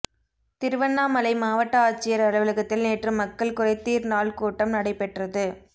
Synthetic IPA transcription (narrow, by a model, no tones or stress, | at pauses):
t̪ɪɾɯʋɐnːaːmɐlɐɪmaːʋɐʈːɐaːt͡ʃːɪjɐɾɐlɐʋɯlɐɣɐt̪ːɪlneːʈrɯmːɐkːɐɭkʊrɐɪt̪ːiːɾnaːlkuːʈːɐmnɐɽɐɪpːɛʈrɐðɯ